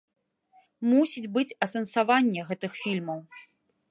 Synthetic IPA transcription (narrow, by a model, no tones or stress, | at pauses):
musʲid͡zʲbɨt͡sʲɐsɐnsavanʲːɛɣɛt̪ɨxfʲilʲmɐw